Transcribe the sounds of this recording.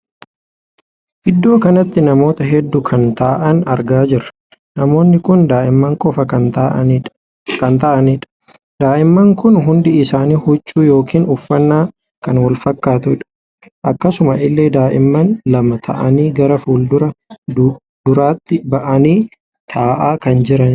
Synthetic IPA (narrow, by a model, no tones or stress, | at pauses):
ʔɪd̪ːo̞ːkɐnɐt̪ːɪnɐmo̞ːt̪ɐɦɛd̪ːʊkʰɐnt̪aːʔɐnɐɾɡaːd͡ʒɪɾɐ̥ | nɐmo̞ːnːɪkʊnd̪aːʔɪmːɐŋkʼɔfɐɐ | kɐnt̪ɐʔɐniːᶑɐ̥ | d̪aːʔɪmːɐŋkʊnɦʊnd̪ɪɪsaːniːhʊt͡ʃːuːjo̞ːkiːnʊfːɐnːaː | kɐnwɐlfɐkːaːt̪ʊɪᶑɐ̥ | ʔɐkːɐsʊmɐʔɪlːeːd̪aːʔɪmːɐnlɐmɐt̪ʰɐ̰ʔɐniːɡɐɾɐfuːld̪ʊɾɐ | d̪ʊɾaːt̪ːɪbɐʔɐniː | t̪ʰaːʔaːkɐnd͡ʒɪɾɐn